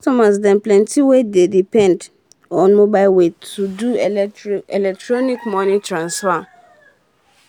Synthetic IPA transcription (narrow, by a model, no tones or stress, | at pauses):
ɔtɔmas̬dɛ̃nplɛ̃ntʰiwededipʰɛ̃nd | ɔ̃nmobaɪwetʰudu | ɛlɛk̚tɹɔnikmɔ̃nĩtʰɹãnsfa